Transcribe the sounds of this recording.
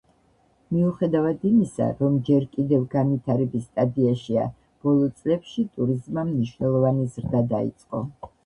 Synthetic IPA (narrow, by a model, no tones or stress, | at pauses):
miuχɛd̪avad̪imisa̰ɾɔmd͡ʒɛɾkʼid̪ɛvɡanvit̪ʰaɾɛbist̪ʼad̪iaʃia̰ | b̥ɔlˠɔt̪sʼlɛpʃit̪ʼuɾizmamniʃwnɛlˠɔvanizɾd̪ad̪aḭt̪sʼqʼɔ̰